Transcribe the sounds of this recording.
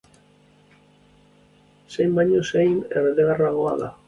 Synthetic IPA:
sejmaɲosejmḛreðeɣaraɣoa̰ða̰

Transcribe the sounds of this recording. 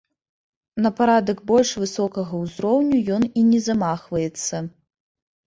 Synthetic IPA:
nɐpaɾad̪ɐɡbɔlʲʂvɨsɔkɐɣɐwzɾɔwnʲujɔninʲɛzamaxvɐjɛt̪sːɐ

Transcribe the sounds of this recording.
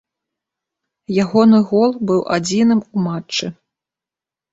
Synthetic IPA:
jaɣɔnɨɣɔlˠbɨwʔad͡zʲinɨmumat͡ʂt͡ʂːɨ

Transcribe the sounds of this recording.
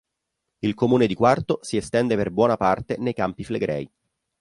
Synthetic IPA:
ilkomuːned̪ikwart̪osiest̪ɛnd̪eperbwɔːnapart̪enejkampifleɡɾɛ̰j

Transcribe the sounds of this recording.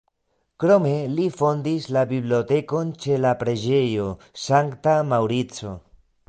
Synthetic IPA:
kɾo̞me̞lifo̞ndislabibliote̞ko̞nt͡ʃe̞lapɾe̞d͡ʒe̞jo̞ | saŋktamawɾit͡so̞

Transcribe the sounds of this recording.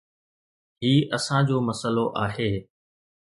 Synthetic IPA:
ɦiːʔɐsãd͡ʑoːmɐsəloʔaːɦeː

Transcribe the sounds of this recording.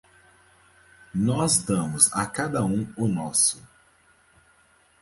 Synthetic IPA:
nɔzd̪ɐ̃mʊza̰kad̪ɐũʊnɔsʊ̥

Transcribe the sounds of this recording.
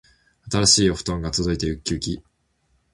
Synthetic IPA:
at̪aɾaɕiːoɸɯ̟̥t̪õ̞ŋɡat͡sɨzoit̪ejɯ̟kʲːɨːkʲi

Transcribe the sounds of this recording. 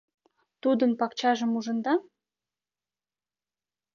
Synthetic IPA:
t̪ud̪ənpɑkt͡ɕɑʒəmuʒə̆nd̪ɑ

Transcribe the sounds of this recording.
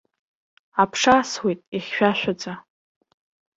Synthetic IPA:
apʰʂaswejtʼiχʲːʷᶣaʃʷᶣad͡za

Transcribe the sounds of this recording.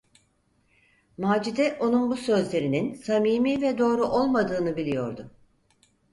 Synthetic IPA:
maːd͡ʒid̪ɛʔo̞nunbusø̞zlʲe̞ɾininsamiːmiːvɛd̪o̞ːɾuʔo̞lˠmad̪ɯːnɯbilʲijo̞̰ɾd̪ʊ

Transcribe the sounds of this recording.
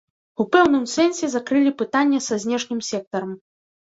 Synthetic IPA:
upɛwnɨmsɛnsʲɛzakɾɨlʲipɨt̪anʲːɛsazʲnʲɛʂnʲɨmsʲɛk̚t̪ɐɾɐm

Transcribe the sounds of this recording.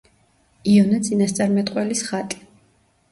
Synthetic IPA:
iɔnat̪sʼinast̪sʼaɾmɛt̪ʼqʼwɛlisχat̪ʼi̥

